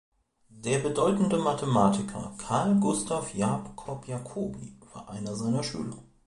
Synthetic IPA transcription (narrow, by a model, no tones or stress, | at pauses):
d̥eːɐbədɔʏtn̩dəmatʰəmaːtʰɪkʰɐ̰kʰaɐlɡʊstʰafjaːpkʰɔpʰjakʰoːbḭv̥a̰ːɐʔaɪnɐzaɪnɐʃy̰ːlɐ̰